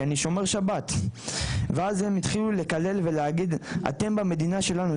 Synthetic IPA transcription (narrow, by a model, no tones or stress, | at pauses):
aniʃo̞me̞ʁʃabat̪ | veazhemit̪χilule̞kale̞lve̞leaɡid̪a̰te̞mbame̞d̪inaʃe̞lanu